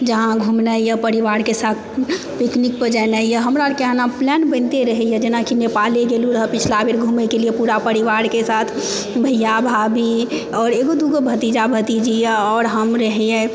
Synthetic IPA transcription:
d͡ʒəɦãɡʱumnaijəpəɾiʋaɾkesat̪̚ʰ | piknik̚pəd͡ʒanaijəɦəmɾakeɦanaplɛnbə̃nt̪eɾəɦɛjə̃d͡ʒenakinepaleɡeluɾəɦəpɪt͡ʃʰlabʱeɾɡʱumekelijepuɾapəɾiʋaɾkesat̪ʰ | bʱəjabʱabʱi | ɔːɾeɡod̪uɡobʱət̪id͡ʒabʱət̪id͡ʒijəɔːɾɦəmɾəɦɛjɛ̃

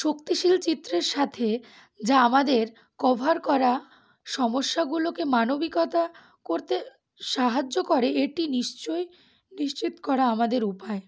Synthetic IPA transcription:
ʃokt̪iʃilt͡ɕit̪ːɾeɾʃat̪ʰe | d͡ʑaamad̪eɾ | kɔbʱaɾkɔɾa | ʃɔmoʃːaɡulokemanobikɔt̪a | koɾt̪e | ʃaɦad͡ʑːokoɾeeʈiniʃt͡ɕoj | niʃt͡ɕit̪o̥kɔɾaamad̪eɾupae

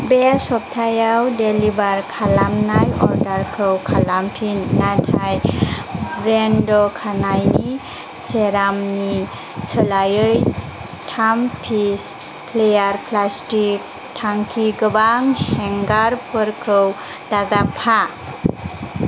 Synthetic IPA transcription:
besɔp̚tʰajawdelibaɾkʰalamnajɔ̰ɾdaɾkʰɯwkʰalampʰinːatʰaj | bɾendɔkʰanajni | seɾamni | sʰəlajɯj | tʰampʰis | pʰlejaɾpʰlastik̚ | tʰaŋkʰiɡəbaŋhɛŋɡaɾpʰɯɾkʰɯw | d̥azapʰa

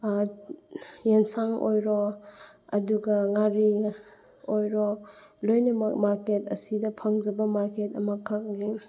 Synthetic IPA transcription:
jensaŋo̰jɾɔ | ɐduɡɐŋaɾi | ojɾɔlojnɐmɐk̚maɾketɐ̰sidɐpʰɐŋd͡ʒɐbɐmaɾketɐmɐkʰak̚ni

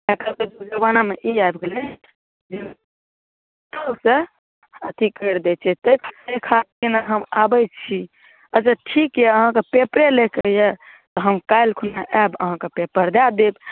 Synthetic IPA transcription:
ɛkəɾked̪ud͡ʒəbanameʔiabɡelɛn | d͡ʒe | t̪əse | ət̪ʰikəjɾd̪ɛt͡ʃʰɛt̪əkʰsekʰat̪̚kinaɦəmabəjt͡ʃʰi | əd͡ʒəʈʰikjɛəɦãkepepɾelekeje | t̪ɔɦəmkajlkʰunaʔɛbə̰ɦãkepepəɾd̪ad̪eb

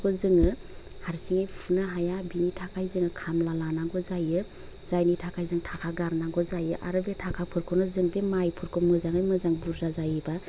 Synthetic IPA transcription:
kʰɔzɯŋɯ | haɾsiŋɯjpʰunaɦajabinitʰakʰajzɯŋɯkʰamlalanaŋɡɔzajɯ | z̥ajnitʰakʰajzɯŋtʰakʰaɡaɾnaŋɡɔzajɯʔaɾɯbetʰakʰapʰɯɾkʰɯnɔzɯŋbemajpʰɯɾkʰɔmɯzaŋɯjmɯzaŋbuɾzazajɯba

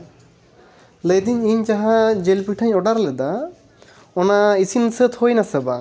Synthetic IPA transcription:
ləjd̪iɲiɲt͡ʃaɦad͡ʒelpiʈʰaɲɔɖaɾlɛd̪a | ɔnaisinsət̪hojnasɛba

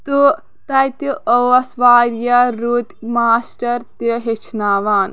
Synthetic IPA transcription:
t̪u | t̪ɐjt̪uʔəʋɐsʋaːɾjaɾut̪maːsʈɐɾt̪iɦet͡ʃʰnaːʋaːn

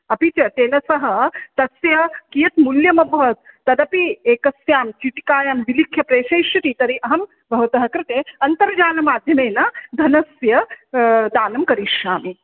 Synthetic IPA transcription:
ɐpit͡ʃɐt̪eːnɐsɐɦɐ̆t̪ɐsjɐkijɐt̪muljɐmɐbʱʋɐt̪̚ːɐd̪ɐpieːkɐsjaːmt͡ʃiʈi̥kaːjamʋilikʰjɐpɾeːʃeːʃjɐt̪it̪ɐɾiʔɐɦɐm | bʱɐʋɐt̪ɐɦɐkɾɪt̪eːɐnt̪ɐɾd͡ʒaːnɐmaːd̪ʱjɐmeːnɐd̪ʱɐnɐsjɐ | d̪aːnɐmkɐɾiʃjaːmi

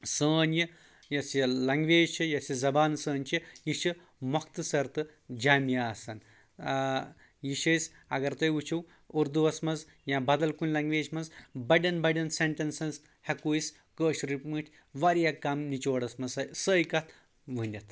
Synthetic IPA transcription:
səːnji | jɐsjilɐŋɡʋeːd͡ʒt͡ʃʰijɐsizɐbaːnsəːnʲt͡ʃijiʃi | mɐkt̪ɨsɐɾt̪ɨd͡ʒaːmjaːsɐn | jiʃɐjs | ɐɡɐɾt̪ɐjut͡ʃʰiw | uɾd̪uɐsmɐz | jãbɐd̪ɐlkunʲlɐŋɡʋeːd͡ʒmɐnzbɐɖɐnbɐɖɐnseɳʈɐnsɐnz | hɐkuis | kəːʃɾipmɨʈʲʰ | ʋaɾjakamnit͡ʃoːɽɐsmɐzɐjsəːjkɐt̪ʰ | ʋɨnʲɐt̪ʰ

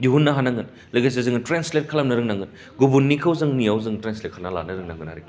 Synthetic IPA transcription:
juɦunːɐɦanaŋɡɯn | lɐɡas̬ezɯŋɯtɾenslet̚kʰɐlɐmnɐɾɯŋnaŋɡɯn | ɡubunːikʰɐwzɯŋnijawzɯŋtɾenslet̚kʰalnala̰nɐɾɯŋnaŋɡɯnha̰ɾiki

